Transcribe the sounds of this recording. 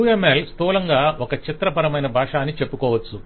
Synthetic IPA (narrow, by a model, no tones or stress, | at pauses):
uemelst̪uːlɐŋɡaːʔɔkɐt͡ʃit̪ɾɐpɐɾɐmɐjnɐbʱaːʂaːnːit͡ʃe̞pːukɔːʋɐt͡ʃːu